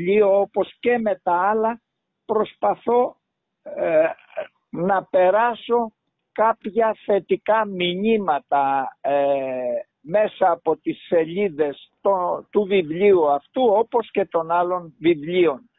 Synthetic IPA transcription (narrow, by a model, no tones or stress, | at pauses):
ioopo̞sce̞me̞t̪ɐɐlɐ | pɾo̞spɐθo̞ | nɐpe̞ɾɐso̞ | kɐpçɐθe̞t̪ikɐmiɲimɐt̪ɐ | me̞sɐːpo̞t̪isːe̞ʎiðe̞st̪ot̪uvivliuɐft̪uo̞po̞sce̞t̪o̞nɐlo̞nvivlio̞n